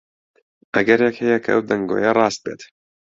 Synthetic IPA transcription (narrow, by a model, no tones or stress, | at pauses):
ʔɐɡɐɾjɛkhɛjɛkʰɐ̰ʔɐwd̪ɐŋɡo̰jɐrˤɑːst̪̚beːt̪